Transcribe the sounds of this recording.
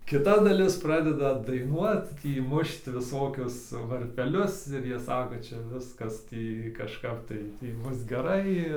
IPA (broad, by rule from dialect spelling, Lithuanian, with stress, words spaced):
kʲɪˈtɐ dɐˈlʲɪs ˈprɑːdʲɛdɐ dɐɪˈnuɔt ˈtʲiː ˈmʊʃt ʋʲɪˈsoːkʲʊs ʋɐrʲpʲɛˈlʲʊs ɪr ˈjiɛ ˈsɑːkoː ˈt͡ʃʲɛ ˈʋʲɪskɐs ˈtʲiː kɐʃˈkɐp tɐɪ ˈtʲiː ˈbʊs ɡʲɛˈrɐɪ